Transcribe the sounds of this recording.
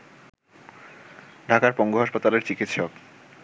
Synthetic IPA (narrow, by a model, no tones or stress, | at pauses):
ɖʱakaɾpɔŋɡoɦaʃpat̪aleɾt͡ɕikit̪ʃɔk